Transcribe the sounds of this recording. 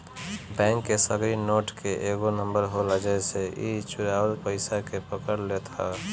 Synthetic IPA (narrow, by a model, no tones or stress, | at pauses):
bɛ̃ːŋkːesəɡɾinoːʈkeʔeːɡonə̃mbəɾɦoləd͡ʒəseit͡ʃʊɾaːwəlpəɪsakepəkəɾlet̪ʰa̰